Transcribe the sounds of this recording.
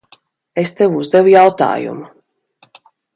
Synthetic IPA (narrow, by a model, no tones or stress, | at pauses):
est̪evuzd̪ɛvujawt̪a̰ːjṵmu